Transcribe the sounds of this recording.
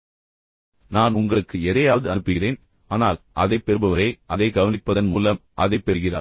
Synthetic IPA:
naːnʊŋɡɐɭɯkːɯɛðɐjaːʋðɯɐnɯpːɯɣɪreːn | aːnaːlʔɐðɐɪpːɛɾɯbɐʋɐɾɐɪʔɐðɐɪɡɐʋɐnɪpːɐðɐnmuːlɐmʔɐðɐɪpːɛɾɯɣɪra̰ː

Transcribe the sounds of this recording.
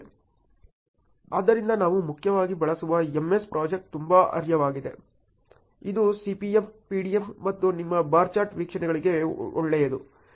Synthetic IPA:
a̰ːd̪ːɐɾind̪ɐnaːʋumukʰjɐʋaːɡibɐɭɐsuʋɐemːe̞spɾʔaːd͡ʒek̚ʈ̚t̪umbaɐ̰ɾjɐʋaːɡid̪e̞̰ | id̪usipiempiːɖiemːɐt̪ːunimːɐbaːɾt͡ʃaːɾʈʋiːkʂɐɳɛɡɐɭiɡe̞ɔɭːɛjɐd̪u

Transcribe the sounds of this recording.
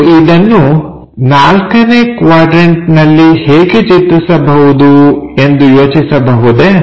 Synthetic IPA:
id̪ɐnːu | naːlkɐnekʋaːɖɾeɳʈnɐlːiheːɡet͡ʃit̪ːisɐbɐɦud̪ue̞nd̪ujo̞ːt͡ʃisɐbɐɦud̪e

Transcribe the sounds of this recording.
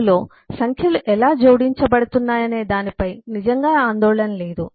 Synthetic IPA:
lo̞ː | sɐŋkʰjɐluʔɛlaːd͡ʒo̞ːɽiɲt͡ʃɐbɐɽut̪unːaːjɐne̞ːd̪aːnipɐjnid͡ʒɐŋɡaːaːnd̪ɔːɭɐnɐle̞ːd̪u

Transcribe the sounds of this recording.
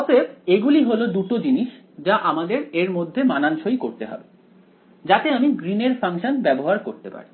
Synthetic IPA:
ɔpʰebeɡuliɦolod̪uʈod͡ʑiniʃ | d͡ʑaʔamad̪eɾeɾmod̪ʱːemananʃojkoɾt̪eɦɔ̰be | d͡ʑat̪eamiɡɾineɾfʰaŋʃonbɛboɦaɾkoɾt̪epa̰ɾi

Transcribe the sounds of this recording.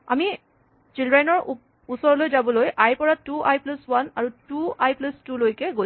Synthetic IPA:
a̰mi | t͡ʃildɹanɔɹ | usɔɹɔlojzabɔlojʔajpɔɹatuʔajpluswanaɹutuajplustulojkɛɡo

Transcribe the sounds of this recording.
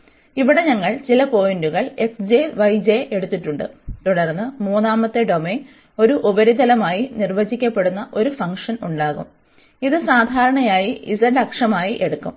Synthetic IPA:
iʋiɽe̞ɲɐŋːɐɭt͡ɕilɐpo̞ːjinduɣɐɭe̞ksd͡ʑeʋɐjd͡ʑeʔe̞ɽut̪ːiʈːuɳɖɨ̰t̪uɽɐrnːɨmuːnːaːmɐt̪ːeɖo̞men | o̞ɾuʔubɐɾid̪ʱɐlɐmaːjinirʋɐd͡ʑikʲːɐpːe̞ɽunːɐʔo̞ɾufɐŋkʂɐnuɳɖaːɣṵm | iðɨsaːd̪ʱaːɾɐɳɐjaːjiʔisɐɳɖɐkʂɐmaːjiʔe̞ɽukːṵm

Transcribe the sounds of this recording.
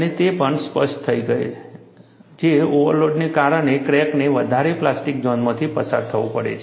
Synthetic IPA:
ənet̪epəɳspəʃʈt̪ʰəiɡəḛ | d͡ʒeoʋəɾloɖnekaɾəɳ̃ekɾɛkneʋəd̪ʱaɾeplasʈik̚d͡ʒɔnmãt̪ʰipəsa̰ɾt̪ʰəʋũpəɽḛt͡ʃʰe

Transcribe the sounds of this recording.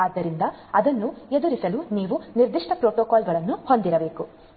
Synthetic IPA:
aːd̪ːɐɾind̪ɐɐd̪ɐnːued̪uɾisɐluniːʋuniɾd̪iʂʈɐpɾoːʈɔːkaːlɡɐɭɐnːuho̞nd̪iɾɐbe̞ːku

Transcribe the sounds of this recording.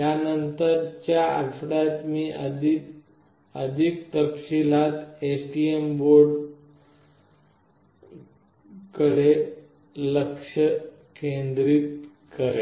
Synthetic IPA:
jjanənt̪əɾt͡ɕjaə̰ɽfɽat̪miːʔəd̪i | əd̪ʱikt̪əpɕilat̪esʈiemboɾɖ | kəɽe | ləkʂə | kend̪ɾiːt̪ | kəɾe

